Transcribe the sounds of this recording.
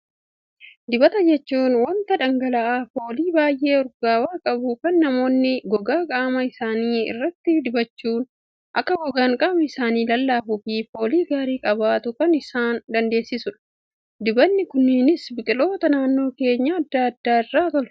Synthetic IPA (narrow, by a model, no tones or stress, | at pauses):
d̪ɪbɐt̪ɐd͡ʒɛt͡ʃːuːnwɐnt̪ɐᶑɐŋɡɐlɐʔaːfo̞ːliːbaːjʔe̞ːɔɾɡaːwaːkʼɐbʊkɐnːɐmo̞ːnːɪɡɔɡaːkʼaːmɐɪsaːniːɪ̰rːɐt̪ːɪd̪ɪbɐt͡ʃːuːn | ʔɐkːɐɡɔɡaːŋkʼabʊɪsaːniːlɐlːaːfʊfiːfo̞ːliːɡaːɾiːkʼɐbaːt̪ʊkɐnɪsaːnd̪ɐnd̪e̞ːsːɪsʊᶑɐ̥ | d̪ɪbɐnːɪkʊnːɪnɪsbɪkʼɪlo̞ːt̪ɐnaːnːo̞ːke̞ːɲːaɐd̪ːaːɐd̪ːaːɪrːaːt̪ɔl